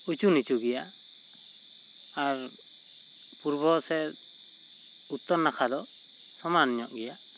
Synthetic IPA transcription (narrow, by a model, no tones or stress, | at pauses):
ut͡ʃunit͡ʃuɡɛja | ɾ | puɾbɔsɛ | ut̪ːɔɾnakʰad̪ɔ | sɔmanɲɔʔɡɛja